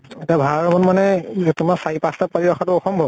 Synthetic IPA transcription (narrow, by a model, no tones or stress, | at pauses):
ɛtiabʱaɹɔmɔnmanɛtumasaipastap̚paɹiɹɔkʰatʊɔxɔmbʱɔb